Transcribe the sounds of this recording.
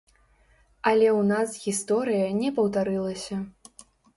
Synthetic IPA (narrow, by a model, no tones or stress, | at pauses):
ɐlʲɛwnasɣʲist̪ɔɾɨjɐnʲɛpɐwt̪aɾɨlˠɐsʲɐ